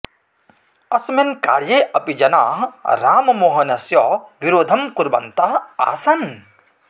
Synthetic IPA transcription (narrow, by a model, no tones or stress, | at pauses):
ɐsmenka̰ːɾjeʔɐpid͡ʒɐnaɦɾaːmɐmoːɦɐnɐsjɔʋiɾoːd̪ʱɐmkuɾbɐ̰nt̪aa̰ːsɐn